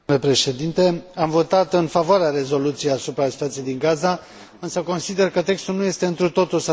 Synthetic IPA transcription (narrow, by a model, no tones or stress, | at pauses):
le̞pɾe̞ʃe̞d̪int̪e̞amvo̞t̪at̪ɨnfavoaɾeaɾe̞zo̞lut̪sijeasupɾasi̥t̪oat̪sijejd̪iŋɡaza | ɨnsəko̞nsid̪e̞rkət̪e̞kst̪ulnuje̞st̪e̞ɨnt̪ɾut̪o̞t̪ulsa